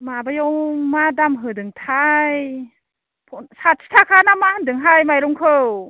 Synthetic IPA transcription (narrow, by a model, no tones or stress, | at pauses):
mabajɔwmadamɦɯdɯŋtʰaj | pʰɔnsat̚sʰi̥tʰakʰanamahɯndɯŋɦajmajɾɔŋkʰɯw